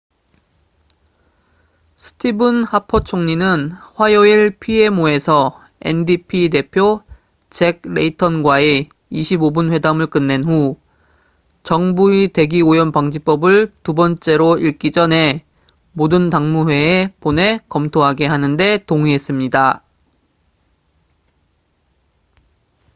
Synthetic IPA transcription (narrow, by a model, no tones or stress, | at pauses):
sʰɯ̥tʰibɯnhapʰot͡ɕʰoŋɲinɯnɸwajoiɭpʰie̞moe̞sʰʌ | e̞̰ndipʰid̬e̞pʰjo | t͡ɕe̞ɡ̚ɾe̞itʰʌnɡwae | iɕʰibobɯnɸwe̞damɯɭk͈ɯnːe̞nɦu | t͡ɕʌŋbuite̞ɡiojʌnpaŋd͡ʑip͈ʌbɯɭtubʌnt͡ɕ͈e̞ɾoiɭk͈id͡ʑʌne̞ | modɯntaŋmuhwe̞ːpone̞kʌmtʰoɦaɡe̞ɦanɯnde̞toŋiɦe̞s͈ɯmɲida